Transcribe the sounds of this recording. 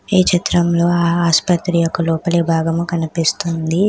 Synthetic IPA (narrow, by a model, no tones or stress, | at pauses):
eːt͡ʃit̪ɾɐmlo̞ːaaːspɐt̪ɾiːjɔkːɐlɔːpɐlibʱaːɡɐmukɐnipist̪und̪i